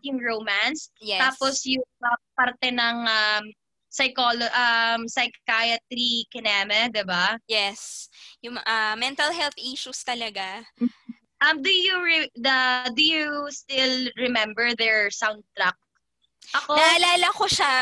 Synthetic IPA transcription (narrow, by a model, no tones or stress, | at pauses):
jʊŋɹowmansjɛaːposjʊŋɐpaɾt̪ɛnɐŋʔɐm | sɐjkoloʔɐmsɐjkkajɐt̪ɾikɪnamɛd̪ɪbajɛsjʊŋʔɐmɛnt̪ɐlɦɛlθʔiʃust̪ɐlɐɡa | ʔɐmd̪ʊjuɹɪd̪ɐd̪ʊjust̪ɪlɹɛmɛ̃mbɛɹðɛɹsawnd̪̚t̪ɾɐk̚ | ʔɐkonaɐlaːlɐkoʃa